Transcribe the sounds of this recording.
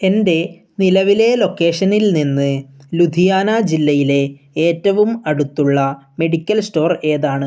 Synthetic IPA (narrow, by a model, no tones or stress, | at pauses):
e̞nde̞ | nilɐʋile̞lo̞kːe̞ːʂɐnilninːɨlud̪ʱijaːnad͡ʑilːɐjile̞ | eːtːɐʋumɐɽut̪ːuɭːɐme̞ɽikʲːɐlsto̞ːre̞ːðaːɳɨ